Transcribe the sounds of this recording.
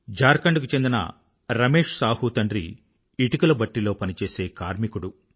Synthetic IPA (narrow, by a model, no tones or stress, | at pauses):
d͡ʒaːɾkɐɳɖkut͡ʃe̞nd̪inɐ̰ | ɾɐme̞ːʂsaːhut̪ɐɳɖɾḭ | iʈukulɐbɐʈːilo̞ːpɐnit͡ʃe̞ːse̞ːkaːɾmikuɽu